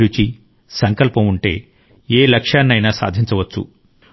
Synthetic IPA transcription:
ɾut͡ʃi | sɐŋkɐlpɐmuɳʈe̞̰ː | eːlɐkʂaːnːɐjnaːsa̰ːd̪ʱiɲt͡ʃɐʋɐt͡ʃːṵ

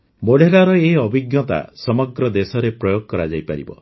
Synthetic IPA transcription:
moɽeɾaɾɔeɔbʱiɡjɔt̪a̰sɔmɔɡɾɔd̪esɔɾepɾɔjoɡɔkɔɾad͡ʒajpaɾḭbɔ̰

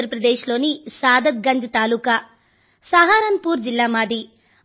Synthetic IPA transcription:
ɾɐpɾɐd̪eːʃlo̞ːnisaːd̪ɐt̪̚ɡɐɲd͡ʒɐt̪aːluka | saːɦaːɾɐnpuːɾd͡ʒilːaːmaːd̪i

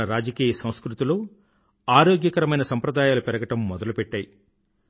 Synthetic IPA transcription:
ɐɾaːd͡ʒɐkiːjɐsɐ̃wskɾut̪ilu | aːɾoːɡjɐkɐɾɐmɐjnɐsɐmpɾɐd̪aːjaːlupɛɾɐɡɐʈɐmːɔd̪ɐlupɛʈːaːji

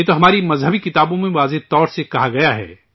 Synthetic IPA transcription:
jeːt̪oɦɐmaːɾimɐzɦɐbikɪt̪aːbõmẽʋaːzet̪ɔːɾsekɐɦaɡɐjaɦɛ̰ː

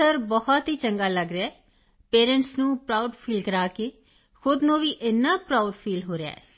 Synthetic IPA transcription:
əɾbɔhɔt̪ɦiːt͡ʃəŋɡaːləɡɾɪaː | peːɾə̃ɳʈsnũːpɾaːʊɖpʰiːlkəɾaːkeː | xʊd̪nõːʋiːʔɪnːaːpɾaːʊɖpʰiːlɦoːɾea̰ːɛ̰ː

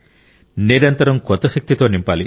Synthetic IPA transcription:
niɾɐnt̪ɐɾɐmkɔt̪ːɐʃɐk̚t̪it̪o̞ːnimpaːli

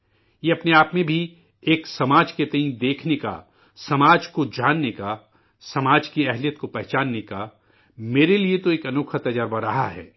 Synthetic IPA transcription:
jeɐpneaːpmẽbʱi | eːksɐmaːd͡ʒket̪ɐĩd̪eːkʰneka̰ | sɐmaːd͡ʒkod͡ʒaːnːeka | sɐmaːd͡ʒkiɛɦlijət̪kopɛɦt͡ʃaːnːeka | meːɾeliet̪oeːkɐnoːkʰət̪ɐd͡ʒaɾbɐɾɐɦa̰ɦɛ̰ː

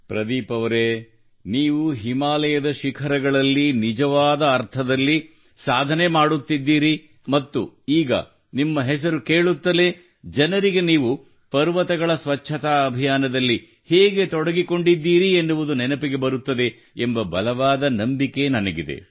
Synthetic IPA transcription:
pɾɐd̪iːpɐʋɐɾe | niːʋuɦimaːlɐjɐd̪ɐʃikʰɐɾɐɡɐɭɐlːinid͡ʒɐʋaːd̪ɐːɾt̪ʰɐd̪ɐlːi | saːd̪ʱɐne̞maːɽut̪ːid̪ːiːɾi | mɐt̪ːuiːɡɐ̰ | nimːɐɦɛs̬ɐɾuke̞ːɭut̪ːɐle̞ | d͡ʒɐnɐɾiɡe̞niːʋu | pɐɾʋɐt̪ɐɡɐɭɐsʋɐt͡ʃʰɐt̪aːɐbʱijaːnɐd̪ɐlːi | heːɡet̪ɔɽɐɡiko̞ɳɖid̪ːiːɾienːuʋud̪unɛnɐpiɡe̞bɐɾut̪ːɐd̪e̞ | embɐbɐlɐʋaːd̪ɐnɐmbike̞nɐnɐɡid̪ḛ

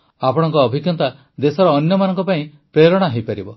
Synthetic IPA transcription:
apɔɽ̃ɔ̃ŋkɔːbʱikjɔnt̪a | d̪esɔɾɔːnjɔmanɔŋkɔpaĩ | pɾelɔɽ̃aɦejpaɾibɔ

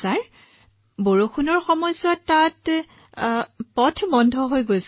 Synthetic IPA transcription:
saɹ | boɹoxunɔɹxɔmɔjzwatːat | pɔtʰmɔndʱɔɦojɡojs

